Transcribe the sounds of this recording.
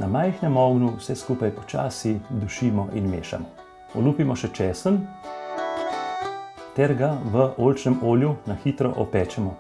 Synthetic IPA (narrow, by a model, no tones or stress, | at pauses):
namajxnɛmɔɡnuwsɛskuːpajpɔ̥t͡ʃaːsid̪uʃiːmɔʔinmḛːʃa̰mɔ | ɔluːpimɔʃɛt͡ʃɛːsən | t̪ɛɾɡaʋəoːlt͡ʃnɛmoːljunaxiːt̪ɾɔ̰ʔɔpɛːt͡ʃɛmɔ